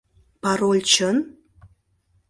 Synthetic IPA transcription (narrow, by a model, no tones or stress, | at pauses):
paɾolʲt͡ʃʰən